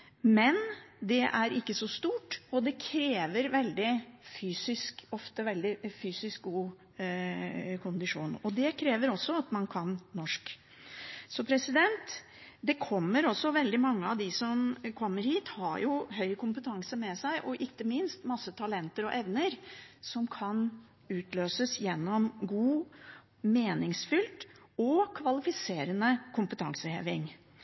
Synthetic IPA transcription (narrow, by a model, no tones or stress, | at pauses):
mɛnd̪ɛʔæɾɪkːəsɔst̪uːʈɔd̪ɛkʰɾeːʋəɾʋɛld̪ɪfyːsɪskɔft̪əʋɛld̪ɪfyːsɪsk̚ɡuː | kʰʊnd̪ɪʂuːnɔd̪ɛkʰɾeːʋəɾɔsːɔɑt̪mɑnkʰɑnːɔʂk | sɔpʰɾɛsɪd̪ɛnt̪ | d̪ɛkʰɔmːəɾɔsːɔʋɛld̪ɪmɑŋːəɑʋd̪ɪsɔmkʰɔmːəɾhiːt̪hɑɾjʊɦœʏkʰʊmpət̪ʰɑŋsəmɛsæɪʔɔʔɪkːəmɪnst̪mɑsːət̪ʰɑlɛnt̪əɾɔʔɛʋnəɾsɔmkʰɑn | ʉːt̪løːsəsjɛnːɔmɡuː | meːnɪŋsfʏlt̪ | ɔkʰʋɑlɪfɪseːɾənəkʰʊmpət̪ʰɑ̰ŋsəhḛːʋɪŋ